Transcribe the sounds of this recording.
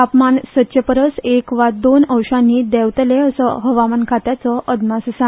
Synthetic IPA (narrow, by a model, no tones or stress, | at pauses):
apmansət̪ɕjəpəɾəsekʋad̪onəwʂãnːiːd̪ɛʋt̪leəsɔɦəʋamənkʰat̪jat͡sɔʔəd̪masəsã